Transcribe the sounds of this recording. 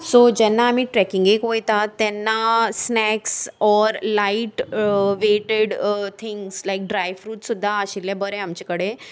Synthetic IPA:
sod͡ʑɛnːaːm̤iːʈɾɛkiŋɡekʋojt̪at̪ːɛnːasnɛksɔɾlaiʈʋeʈeɽt̪ʰiŋɡslajk̚ɖɾajfɾuːt̪sud̪ʱːaəɕilːjabəɾẽamt͡ɕekəɽe

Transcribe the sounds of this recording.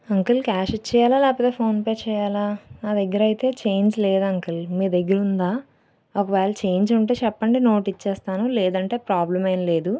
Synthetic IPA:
ɐŋkɐlkaːʃit͡ʃːɛːjaːlaːlɛːpɐt̪e̞ːpʰo̞ːnpeːt͡ʃɛːjaːlaːnaːd̪eɡːɐɾɐjit̪e̞ːt͡ʃe̞ːɲd͡ʒle̞ːd̪ɐŋkɐlmiːɾd̪eɡːɐɾund̪aː | okɐʋɛːlɐt͡ʃe̞ːɲd͡ʒuɳʈeːt͡ʃɛpːɐɳɖino̞ːʈit͡ʃːɛːst̪aːnulɛːd̪ɐɳʈe̞ːpɾaːblɐmɐjnɐle̞ːd̪u

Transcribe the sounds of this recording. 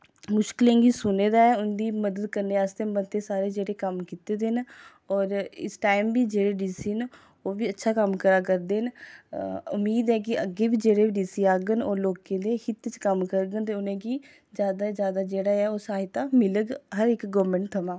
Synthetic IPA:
mʊʃkɪlẽːŋɡiːsʊneːd̪aːɛːʊnd̪iːməd̪əd̪̚kəɾneːaːst̪eːmət̪ːeːsaːɾeːd͡ʒeːɽeːkəmkiːt̪eːd̪en | ɔːɾɪ̰sʈaːimbiːd͡ʒeːɽeːɖiːsiːn | oːʋiːətːʃʰaːkəmkəɾaːkəɾd̪eːn | ʊ̰mːiːd̪ɦɛːk̬ɪə̰ɡeːbiːd͡ʒeːɽeːbiɖiːsiːaːɡənoːloːkẽːd̪eːhɪt̪ːt͡ʃkəmkəɾɡənt̪̬eːʊnẽːɡiː | zjaːd̪aːd͡ʒjaːd̪aːd͡ʒeːɽaːɛːoːsaːɦit̪ãːmɪləɡɦəɾɪkɡɔːmẽːɳʈ̚t̪ʰəmãː

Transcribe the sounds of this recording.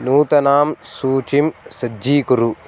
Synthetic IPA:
nuːt̪ɐnaːmsuːt͡ʃimsɐiːkuɾu

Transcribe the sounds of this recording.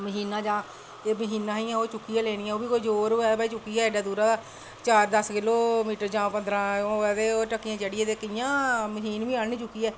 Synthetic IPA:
məɦiːnãːd͡ʒãː | eːməɦiːnãːĩːɛ̃ːoːt͡ʃʊkːiːjãːleːɽ̃iːɛːoːbiːkoːid͡ʒoːɾɛːbaːiːt͡ʃʊkːiɛːɪɖaːd̪uːɾãːd̪aː | t͡ʃaːɾd̪əskɪloːmiːʈəɾd͡ʒãːpə̃nd̪ɾãːõɛd̪eːoːʈəkːijãːt͡ʃəɽiːẽːd̪eːkəjãːməɦiːnbiːaːɳniːt͡ʃʊkːiːɛː

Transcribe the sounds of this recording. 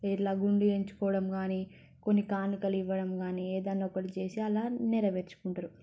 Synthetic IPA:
iʈlaːɡuɳɖieɲt͡ʃu̥kɔːʋɐɽɐmɡaːniː | ko̞nːikaːnikɐliʋːɐɽɐmɡaːnieːd̪ɐnːɔkɐɽit͡ʃe̞ːsiɐlaːnɛɾɐʋeɾt͡ʃu̥kuɳʈaɾu

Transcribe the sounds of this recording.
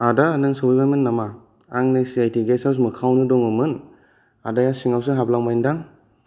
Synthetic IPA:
adanɯŋsowbibajmɯnːama | aŋnesiajtʰiɡesas̬mɯkʰawnɯdɔŋɯmɯn | adajasiŋaws̬ɯɦablaŋmajindaŋ

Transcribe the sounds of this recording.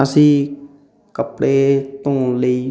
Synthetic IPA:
əsĩː | kəpɽeːt̪õːləiː

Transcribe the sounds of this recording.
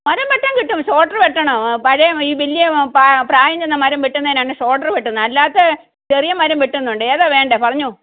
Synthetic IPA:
mɐɾɐmʋiʈːɐŋkiʈːumɕo̞ːʈːɐrʋeʈːɐɳɐpɐɻɐjɐmiːʋilːijɐapraːjɐɲd͡ʑenːɐmɐɾɐmʋiʈːunːɐðinaːɳɨʂo̞ːʈːɐrʋiʈːunːɨɐlːaːt̪ːe | t͡ɕerijɐmɐɾɐmʋiʈːunːuɳɖɨeːðaːʋe̞ːɳɖepɐrɐɲːu

